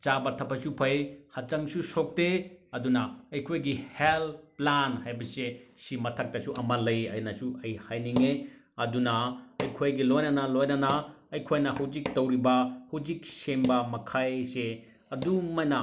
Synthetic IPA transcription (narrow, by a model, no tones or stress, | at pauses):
t͡ʃabɐtʰɐpʰɐsupʰɐjhɐt͡ʃɐŋsusok̚teɐdunɐɐjkʰojɡihelplanhajbɐsesimɐtʰɐk̚tɐsuʔɐmɐlɐjɐ̰jnɐsuɐjhajniŋe | ɐdunɐɐjkʰojɡilojnɐnɐlojnɐnɐːjkʰojnɐhɐwd͡ʒik̚tɐwɾibɐhɐwd͡ʒik̚sembɐmɐkʰajse | ɐdumɐjnɐ